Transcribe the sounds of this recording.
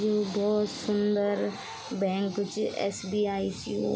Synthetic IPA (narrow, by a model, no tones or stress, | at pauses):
obɔːt̪sʊnd̪əɾ | bɛ̃ŋkt͡ʃʔɛ̰ːsbiːaːisju